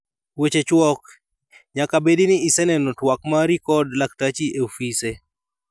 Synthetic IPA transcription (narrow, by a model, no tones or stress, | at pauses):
wet͡ʃet͡ʃwɔk | ɲakabedinɪisɛnɛnɔtwakmaɾikɔdlak̚tat͡ʃieofise